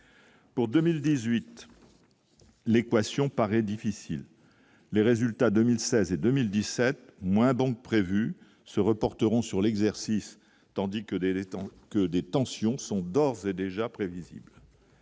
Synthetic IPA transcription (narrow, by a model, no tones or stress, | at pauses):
puʁd̪əmild̪izɥit̪ | lekwasjɔ̃paʁɛd̪ifisḭlː | eʁezylt̪ad̪əmilsɛzed̪ømild̪isɛt̪mwɛ̃d̪ɔ̃k̚pχevy | səʁəpɔʁt̪əʁɔ̃syʁlɛɡzɛʁsis | t̪ɑ̃d̪ikəekəd̪et̪ɑ̃sjɔ̃sɔ̃d̪ɔʁzed̪eʒapχevizḭbl